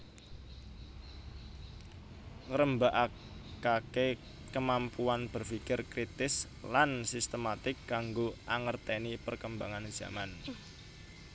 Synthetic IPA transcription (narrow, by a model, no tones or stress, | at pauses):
ŋəɾəmbaʔa | kake | kəmampuanb̥ərfikɪrkɾit̪ɪs | lansist̪əmat̪ɪkːaŋɡoʔaŋərt̪enipərkəmbaŋanz̥a̰man